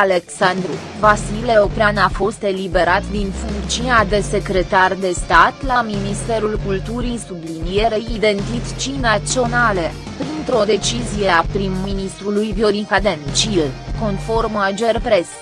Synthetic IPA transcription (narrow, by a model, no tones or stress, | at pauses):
ale̞ksand̪ɾṵvasile̞opɾeanafo̞st̪e̞libe̞ɾat̪d̪infuŋkt͡ʃiad̪e̞se̞kɾe̞t̪ard̪e̞st̪at̪laminist̪e̞ɾulkult̪uɾisublinije̞ɾeid̪e̞nt̪it̪t͡ʃinat̪sio̞nale | pɾint̪ɾo̞d̪e̞t͡ʃizije̞apɾimːinist̪ɾulujbjo̞ɾikad̪ent͡ʃilko̞nfo̞rmad͡ʒe̞rpɾe̞s